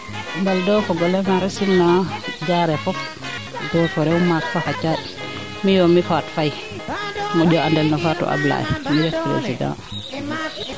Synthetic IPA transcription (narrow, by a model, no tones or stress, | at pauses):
mbaldɔwfɔɡɔlɛmaɾɛsinːad͡ʒaɾɛfɔf | dɔfɔɾɛwumakfahat͡ʃaɗ | mijɔmifatfaj | mɔɗɔandɛlnɔfatɔ̰ʔa̰bla̰ʔɛ̰miɾɛfpɾḛsiɡa̰